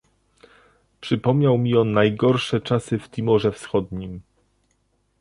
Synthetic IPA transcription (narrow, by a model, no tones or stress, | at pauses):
pʂɘpɔmɲawmʲiɔnːajɡɔɾʂɛt͡ʂasɘft̪ʲimɔʐɛfsxɔd̪ɲim